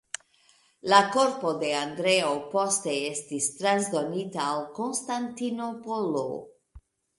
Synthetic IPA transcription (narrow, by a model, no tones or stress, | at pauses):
lako̞ɾpo̞de̞andɾe̞opo̞ste̞e̞stistɾanzdo̞nitaːlko̞nstantino̞polo̰